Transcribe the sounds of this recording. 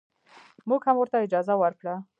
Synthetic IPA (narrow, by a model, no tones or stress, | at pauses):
muɡhamwʊɾt̪aɪd͡ʒɑzawaɾkɽa